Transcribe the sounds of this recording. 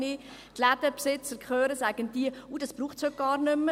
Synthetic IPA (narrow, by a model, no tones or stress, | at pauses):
ni | t̪lædəpsɪt͡səɾkχøːɾəsæɡ̥ənd̥iəuːd̥ɑsb̥ruːχtshøt̚ɡ̥ɑːɾnʏmːə